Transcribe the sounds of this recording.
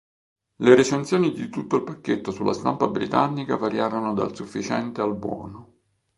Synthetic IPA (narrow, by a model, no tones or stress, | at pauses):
leɾet͡ʃent̪sjoːnid̪it̪ut̪ːoilpakːet̪ːosulːʔa̰st̪ampabɾit̪anːika̰vaɾjaːɾonod̪a̰lsufːit͡ʃɛ̰nt̪ealbwɔ̰ːno